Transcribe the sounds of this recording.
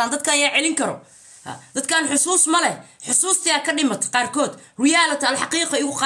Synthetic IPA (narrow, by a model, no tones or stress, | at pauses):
aːnd̪ɐd̪̚kʰɐɐjaːʕɛlɪŋkʰɐɾɔ̰ | ha̰d̪̥ɐd̪kʰaːnħʊsuːsmɐlɛħʊsuːst̪ʰɪjaːkʰɐɖɪmɐt̪ʰqɑːrkʰɔːd̪rɪjaːlɐt̪ʰɐlħɑqiːqɑɪɣʊqɑ